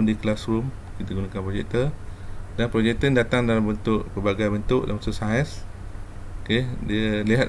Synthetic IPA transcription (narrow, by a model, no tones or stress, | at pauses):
ndiklasrumkit̪aɡunakanpɾod͡ʒɛ̰ʔt̪ə | danpɾod͡ʒɛʔ̚t̪əndat̪aŋdalambənt̪ʊʔpərbaɡajbənt̪ʊʔda̰məsusaəs | okediəliɦat̪